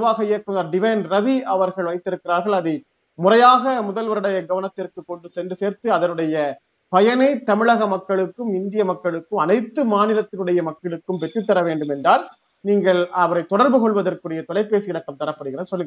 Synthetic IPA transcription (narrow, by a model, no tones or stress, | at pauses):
ʋaːɣɐeɐkːɐnd̪ɐːɾɖɪʋɐnɾɐʋiɐʋɐɾɣɐɭʋɐɪt̪ːɪɾɯkːɪɾaːɾɣɐɭɐðɯ | mʊrɐjaːɣɐmʊðɐlʋɐɾɯɽɐjɐɡɐʋɐnɐt̪ːɪrkɯkːɔɳɖɯsɛndrɯseːɾt̪ɯɐðɐnɯɽɐjɐ | pɐjɐnɐɪt̪ɐmɪɭɐɣɐmɐkːɐɭɯkːɯmɪnd̪ɪjɐmɐkːɐɭɯkːɯmɐnɐɪt̪ːɯmaːnɪlɐt̪ːɪlɯɽɐjɐmɐkːɐɭɯkːɯmpɛʈrɯt̪ːɐɾɐʋeːɳɖɯmɛndraːɾ | niːŋɡɐɭɐʋɐɾɐɪt̪ːɔɽɐɾbɯkɔɭʋɐðɐrkɯɽɐjɐt̪ɔɭɐɪpːeːsɯjɪɽɐkːɐmt̪ɐɾɐpːɐɽɯɣɪɾeːnsɔlːɯŋɡɐ